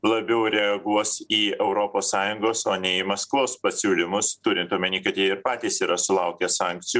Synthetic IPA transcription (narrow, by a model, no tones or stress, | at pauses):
lˠɐbʲɛʊɾʲɛɐɡuɔsiːɛʊɾoːpoːsɑːjʊŋɡoːsoːnʲɛimɐskʋˠoːspɐsʲuːlʲɪmʊst̪ʊɾʲɪnt̪uɔmʲɐnʲiːkɐt̪jɛɪɾpɑːt̪ʲiːsiːɾɐsʊlˠɐʊkʲɛsɑːˑŋʲk̚t̪sʲɪjuː